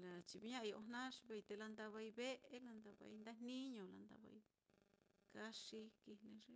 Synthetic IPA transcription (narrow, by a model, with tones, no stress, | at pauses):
la˨t͡ʃi˧βi˧˦ɲã˦ʔo˧nã˦ʂβe˧i˧t̪e˧la˧nd̪a˧βa˧i˧βe˦ʔe˦la˧nd̪a˧βa̰˧i˧nd̪a˦n̥nĩ˦ɲõ˨la̰˧nd̪a̰˧βa̰˧i˧ | ka˦ʂi˧ki˧nẽ˧ʐe˦